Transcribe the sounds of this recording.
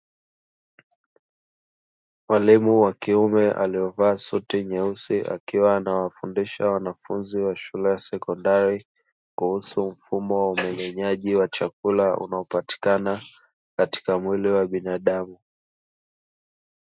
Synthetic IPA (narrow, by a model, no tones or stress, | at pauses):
malimuwakiumɛʔa̰liɔvaːsutiɲɛusiʔa̰kiwaːnawafundiʃawanafunziwaʃulɛjasɛkɔndaɾi | kuhusum̩fumɔwaumɛɲɛɲaʄiwat͡ʃakulaṵnaɔpati̥kana | kati̥kamwiliwaɓinaɗamu